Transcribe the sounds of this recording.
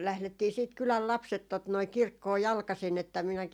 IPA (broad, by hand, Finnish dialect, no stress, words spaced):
læhletːiː siːt kylæl lɑpset tot noi kirkːoː jɑlkɑsin etːæ minæki